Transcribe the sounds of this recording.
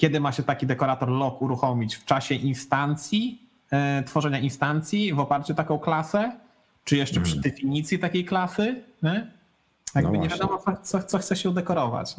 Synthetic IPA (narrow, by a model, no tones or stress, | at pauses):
kʲɛd̪ɘmaɕɛt̪akʲid̪ɛkɔɾat̪ɔɾlɔkuɾuxɔmʲit͡ɕft͡ʂaɕɛʔinst̪ant̪sʲji | t̪fɔʐɛɲainst̪ant̪sʲjivɔpaɾt͡ɕɛt̪akɔ̃w̃klasɛ | t͡ʂɘjɛʂt͡ʂɛpʂɘd̪ɛfʲiɲit̪sʲjit̪akʲejklasɘɲɛ | jaɡbbɘɲɛvvjad̪ɔmɔt̪sɔt̪sɔxt̪sɔxt̪sɛɕɛd̪ɛkɔɾɔva̰t͡ɕ